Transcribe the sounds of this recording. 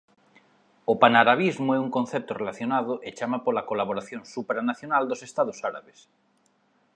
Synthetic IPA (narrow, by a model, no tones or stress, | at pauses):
opanaɾaβ̞izmoeuŋkõn̟θep̚t̪orelaθjonaðoʔet͡ʃamapolakolaβoɾaθjonsupɾanaθjonald̪osest̪aðosaɾa̰βes